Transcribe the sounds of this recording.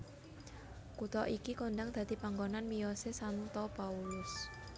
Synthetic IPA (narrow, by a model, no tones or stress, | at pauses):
kut̪ɔʔikikondaŋd̪̥ä̤d̪̥i̤paŋɡonanmijɔsesant̪ɔpaulʊs